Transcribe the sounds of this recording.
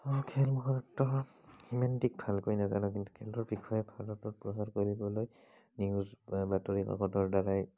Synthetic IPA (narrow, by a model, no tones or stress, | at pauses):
ɔkʰɛlmɔɦaɹɔtːɔ | himantik̚bʱalkojnazanɔkintu̥kʰɛlɔɹbikʰɔjɛpʰadɔtɔt̚pɹɔsaɹkoɹibɔloj | niʊzbatɔɹika̰kɔtɔɹdaɹaj